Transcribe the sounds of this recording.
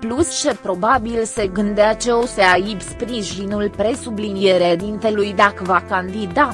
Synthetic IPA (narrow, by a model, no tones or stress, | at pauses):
plust͡ʃe̞pɾo̞babilse̞ɡɨnd̪eat͡ʃe̞oseaibspɾiʒinulpɾe̞sublinije̞ɾeed̪int̪e̞lujd̪akəvakand̪id̪a